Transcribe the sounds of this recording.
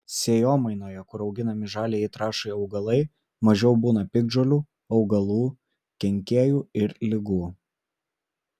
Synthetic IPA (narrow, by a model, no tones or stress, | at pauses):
sʲeːjoːmɐɪnoːjɛkʊɾɒʊɡʲɪnɐmʲɪʒɑːlʲeːit̪ɾɑːʃɐɪɒʊɡɐlˠɐɪ | mɐʒʲɛʊbuːnɐpʲɪɡ̚d͡ʒoːlʲuː | ɒʊɡɐlˠuː | kʲɛŋʲkʲeːjuːɪɾlʲɪɡuː